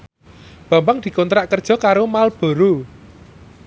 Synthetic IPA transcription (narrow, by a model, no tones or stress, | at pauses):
b̥ä̤mbaŋd̪̥i̤kɔnt̪ɾaʔkərd̥ʒ̥ɔ̤kaɾomalb̥ɔ̤ɾo